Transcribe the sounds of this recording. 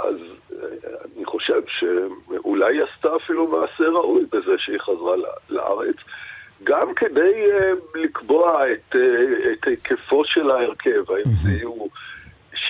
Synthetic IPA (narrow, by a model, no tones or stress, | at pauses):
ʔa̰z | a̰niχo̞ʃe̞vʃeʔulajast̪aːfilumaːse̞ʁaʔujbe̞zeʃeiχazʁala̰la̰ʔa̰ʁe̞t͡sɡamke̞de̞jlikbo̞aetetːejkʰefo̞tʃelaeʁkʰe̞vaimziu | ʃ